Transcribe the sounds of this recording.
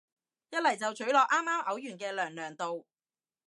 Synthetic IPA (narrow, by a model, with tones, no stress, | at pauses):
jɐ˥t̚lɐ˨˩jt͡sɐ˨wt͡ʃʰɵ˨˥lɔː˨k̚ʔaː˥mːaː˥mʔɐ˨˥wjyː˨˩nkɛː˧lœː˨˩ŋlœː˨˩ŋt̪o˨w